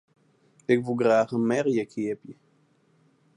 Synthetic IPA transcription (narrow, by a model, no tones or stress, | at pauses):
ɪkʋuɡraːχənmɛʁjəkʰɪːəpjə